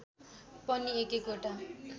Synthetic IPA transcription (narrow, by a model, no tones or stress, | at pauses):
pʌniekekoʈa